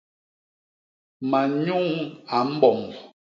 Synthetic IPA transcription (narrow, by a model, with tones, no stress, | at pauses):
ma˨ɲu˦ŋa˨m̩˦bɔ˨m˨